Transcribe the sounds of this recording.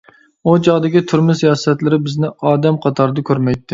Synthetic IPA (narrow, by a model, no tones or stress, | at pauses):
ud͡ʒɑʁd̪ɪkʲit̪ʰyɾmɪsijɑsɛt̪lɪɾɪbɪznɪɑːd̪ɛmqʰɑt̪ʰɑɾd̪ɨkʲʰøɾmɛjt̪ʰːɪ